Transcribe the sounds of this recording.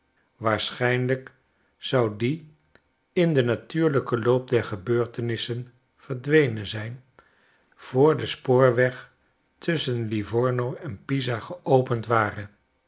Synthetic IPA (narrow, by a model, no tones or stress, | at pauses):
ʋaːɹsχɛjnlək | z̥ɑwdi | ɪndənatyːɹləkəlowp̚dɛɹχəbøːɹtənɪsən | v̥əɹdʋejnənzɛjn | v̥ʊːɹdəspʊːɹʋɛχ | tʰɵsənlivɔɹnowɛnpizaχəʔowpəntʋaːrə